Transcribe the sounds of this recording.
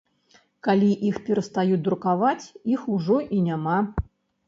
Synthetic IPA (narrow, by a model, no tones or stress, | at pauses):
kalʲiʔixpʲɛɾɐst̪ajut͡s̚ʲd̪ɾukavat͡sʲixuʐɔʔinʲama